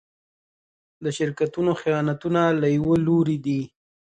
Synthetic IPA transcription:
d̪əʃɪɾkat̪unoxijɑnat̪unalajwəloɾid̪i

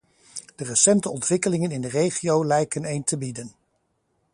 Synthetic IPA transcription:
d̥ərəsɛntəɔntʋɪkəlɪŋənɪndərejχiowlɛjkənejntəbidən

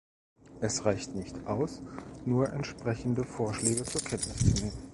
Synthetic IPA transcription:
ʔɛsʁaɪçtnɪçtʔaʊsnuːɐʔɛntʃpʁ̥ɛçn̩dəfoːɐʃlɛːɡət͡suːɐkʰɛntnɪst͡suneːmən

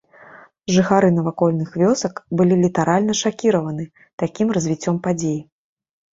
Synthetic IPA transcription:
ʐɨxaɾɨnɐvakɔlʲnɨxvʲɔsɐkbɨlʲilʲit̪aɾalʲnɐʂakʲiɾɐvɐnɨ | t̪akʲimrɐzʲvʲit͡sʲːɔmpad͡zʲeji

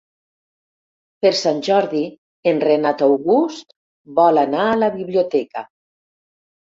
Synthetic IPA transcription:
peɾsanʲʒɔɾði | enrenat̪awɣust̪ | bɔlanaːlaβiβliot̪ɛkə

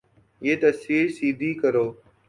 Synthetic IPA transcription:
jeːt̪əsiːɾsiːd̪ʱiːkəɾoː

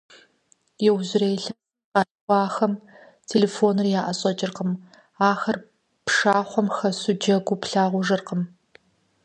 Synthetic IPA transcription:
jɛwʑɪɾeːjɬɐ | qɑː | ɑːxɐm | tʰeːleːfoːnɨrjaːʔɐɕʼɐt͡ʃʼɪrqəm | aːxɐr | pʂaːχʷɔmxɐsʊd͡ʒɐɡʷʊpɬaːʁʷʊʐɨrqəm

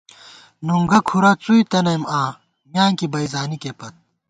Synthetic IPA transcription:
nuŋɡɐkʰuɾɐt͡suit̪ɐnɐjmãː | mjaːŋkibɐizaːnikepɐt̪̚

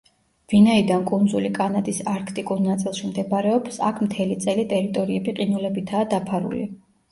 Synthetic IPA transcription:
vinaid̪ankʼund̪zulikʼanad̪isaɾkʰt̪ʼikʼuɾnat̪sʼilˠʃimd̪ɛbaɾɛɔpsa̰kʰmt̪ʰɛlit̪sʼɛlit̪ʼɛɾit̪ʼɔɾiɛbiqʼinulɛbit̪ʰaːd̪apʰaɾṵlḭ

